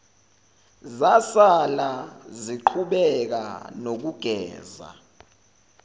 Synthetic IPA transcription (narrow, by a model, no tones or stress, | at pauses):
zasalaziǃʰuɓɛk̬a̰nok̬uɡ̥ʱɛ̰ːza̰